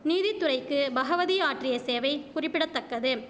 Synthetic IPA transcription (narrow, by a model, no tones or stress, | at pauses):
niːðɪt̪ːʊrɐɪkːɯbɐɣɐʋɐðiaːʈrɪjɐseːʋɐɪkʊrɪpːɪɽɐt̪ːɐkːɐðɯ